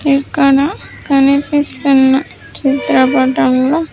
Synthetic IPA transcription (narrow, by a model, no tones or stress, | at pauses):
ikːɐɽɐkɐnipist̪unːɐ | t͡ʃit̪ɾɐpɐʈɐmloː